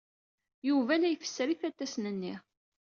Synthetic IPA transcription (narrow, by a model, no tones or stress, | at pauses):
juvænæjfə̥sːɾiθæt̪ːæsnənːi